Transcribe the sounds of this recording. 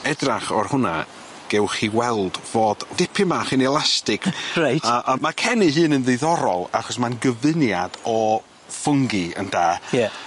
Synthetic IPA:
ɛdraχɔrhʊna̰ | ɡ̥ɛwχiwɛlˠdvoːd̥d̥ɪpʰɨmaχinɛlˠastɪɡrajtːʔmakʰɛnɨɦɨːnənðɨðɔɾɔlˠaχɔs̬manɡəvɨnjadɔ | fʊŋɡɨə̰ndaːja

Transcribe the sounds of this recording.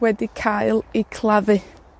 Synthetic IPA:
wɛdikʰajlˠikʰlˠavɨ

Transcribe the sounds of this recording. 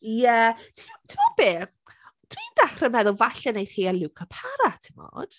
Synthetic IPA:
jɛtʰɪmɔtʰɪmɔb̥eː | tʰwiːnd̥aχrəmɛðʊlˠvaɬɛnejθhiːalˠukʰapʰaɾatʰɪmɔ̰ːd̥

